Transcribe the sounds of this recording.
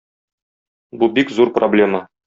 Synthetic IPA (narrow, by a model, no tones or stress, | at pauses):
bubikzuɾproblʲe̞mə